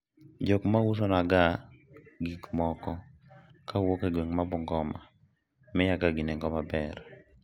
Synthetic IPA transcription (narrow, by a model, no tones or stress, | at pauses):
d͡ʒɔkmawus̬onaɡa | ɡikmɔkɔ | kʰawokaɡweŋmabʊŋɡɔma | mɛjaɡaɡineŋɡɔmabɛr